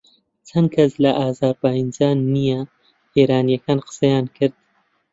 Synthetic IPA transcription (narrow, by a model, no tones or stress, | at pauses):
t͡ʃʰɐn̚kʰɐslɐʔaːzaːɾbaːjind͡ʒaːnːijɛ | heːɾaːnijɐkʰaːnqə̥sɐjaːnkʰɨɾd̪̥̚